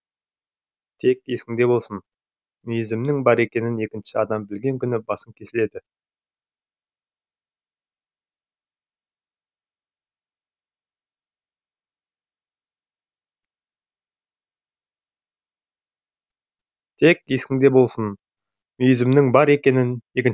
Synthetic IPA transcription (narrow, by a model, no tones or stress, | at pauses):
t̪ʰe̞k̚je̞skʲɪŋd̪e̞bo̞lˠsən | mʏjɪzɪmnɪŋbɑɾe̞kʲe̞nɪne̞kʲɪnʃɪɑd̪ɑmbɪlɡʲe̞ŋkʲʏnɪbɑsəŋkʲʰe̞sɪle̞d̪ɪ | t̪ʰe̞kʲje̞skʲɪŋd̪e̞bo̞lˠsən | mʏjɪzɪmnɪŋbɑɾe̞kʲe̞nɪne̞kʲɪn